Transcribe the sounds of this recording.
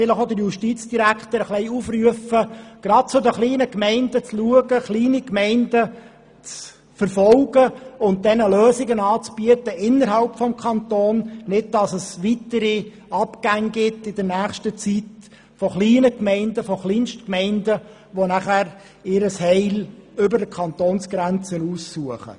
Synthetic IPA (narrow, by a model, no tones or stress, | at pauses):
fɪləχod̪əɾjuʃtit͡sd̥iɾækχt̪əɾəχlɛɪufryəfəɡ̥ɾɑt̚t͡sʊd̪əχliːnəkmɛɪndət͡sluəɡəχliːnikmɛɪndə | t͡s | fəɾfɔlɡ̥əʊnt̚d̥ɛnəløːsɪɡənɑːt͡sb̥yətəʔɪnːəɾɦɑlpfɔmkʰɑnt̪oːnnɪd̚d̥ɑsəsʋitəɾi | ɑpɡ̥æŋɡɪtːɪd̥əɾnæːχʃtət͡sit | fɔχliːnəkmɛɪndəfɔχliːnʃtkmɛɪndə | ʋonæχæːɾ | ɪɾəshɛɪlʏbəɾdəkʰɑnt̪oːnsɡ̥ɾænt͡sənuːsːuəχə̰